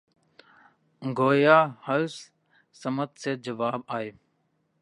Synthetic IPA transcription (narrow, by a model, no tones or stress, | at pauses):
ɡoːjaːhəls | səmət̪̚seːd͡ʒəʋaːbaːeː